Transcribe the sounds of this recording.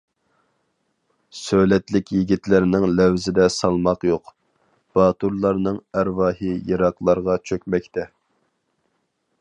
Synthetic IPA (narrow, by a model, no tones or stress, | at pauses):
sølɛt̪lɪkʲjiɡʲit̪lɪɾnɪŋlæwzɪd̪ɛsɑlˠmɑqjoq | b̥ɑːt̪uɾlˠɑɾnɨŋæɾwɑːɦijɑɾɑqlˠɑɾʁɑt͡ʃʰøkʲmɛk̚ʲt̪ʰɛ